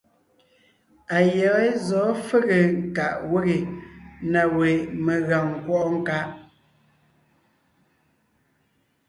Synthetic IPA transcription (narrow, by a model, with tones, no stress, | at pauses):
a˨jɛ˨˦zɔː˨˦fe˦ɣe˨ŋ˨ka˨ʔwe˦ɣe˨na˨we˨me˨ɣa˨ŋ̩˨kwɔ˦ʔŋ̩˦ka˦ʔ